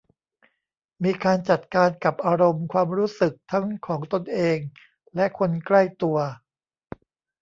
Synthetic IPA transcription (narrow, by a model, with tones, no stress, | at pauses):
miː˧kaː˧nt͡ɕa˨˩t̪̚kaː˧nka˨˩p̚ʔaː˧ɾo˧mkʰwaː˧mɾuː˦˥sɯ˨˩k̚t̪ʰa˦˥ŋkʰɔː˩˦ŋt̪o˧nʔeː˧ŋ | lɛ˦˥ʔkʰo˧nkla˥˩jt̪u˧ɐ